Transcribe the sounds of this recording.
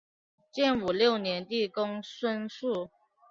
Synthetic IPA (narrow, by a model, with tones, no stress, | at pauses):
t͡ɕjɛ˥˩nu˨˩ljo˥˩ʊnjɛ˧˦nt̪i˥˨kʊ˥ŋswə˥nsu˥˩